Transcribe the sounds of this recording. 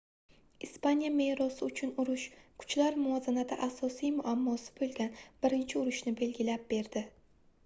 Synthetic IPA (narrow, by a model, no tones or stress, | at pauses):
ispanijame̞jɾɒsɪʊt͡ʃʰʊnʊɾʊʃkʰʊ̥t͡ʃlaɾmʊɒzanad̪ʰaʔasɒsijmʊʔamːɒsɪ̥bolˠɡʲanb̥ɪɾɪnt͡ʃʰɪʊɾʊʃnɪbe̞lɡʲɪlap̚b̥e̞ɾd̪ɪ